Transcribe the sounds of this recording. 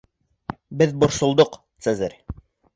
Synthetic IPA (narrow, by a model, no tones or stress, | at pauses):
bɘðbŏɾsŏlˠd̪oqt̪sɘzɘɾ